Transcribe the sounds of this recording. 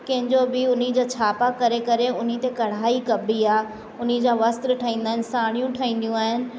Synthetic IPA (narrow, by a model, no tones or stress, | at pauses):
kɐ̃ɦɪ̃ɲd͡ʑobɪʊnid͡ʑaːt͡ɕʰaːpakɐɾekɐɾeʊn̤it̪ekɐɽ̤aːikɐbʱiaː | ʊnid͡ʑaːʋɐst̪ɾʈʰɐĩːn̆d̪aɦɪnɪsaːɽ̃ijũʈʰɐĩːn̆d̪ijũaːɦɪnɪ̆